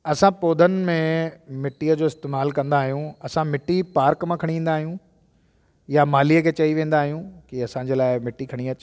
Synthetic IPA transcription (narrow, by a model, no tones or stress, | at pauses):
ɐsãpoːd̪ʱənɪ̆mẽmɪʈːiːəd͡ʑoːɪst̪eːmaːlkɐ̃nd̪aːɦijũɐsãmɪʈːipaːɾkmãkʰɐɽ̃ĩn̆d̪aːɦijũ | jamaːliːəkʰeːt͡ɕɐiʋẽːn̆d̪aːɦijũkiɐsãd͡ʑeːlaːɪmɪʈːikʰɐɽ̃iɐt͡ɕ